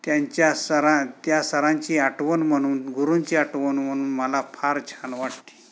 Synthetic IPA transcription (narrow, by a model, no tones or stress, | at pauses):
t̪jaɲt͡ɕjasəɾãt̪jasəɾãɲt͡ɕiːaʈʋənm̤əɽ̃uːnɡʱuɾuɲt͡ɕiːaʈʋənm̤əñuːnməlafʰaɾt͡ɕʰanʋaʈt̪i̥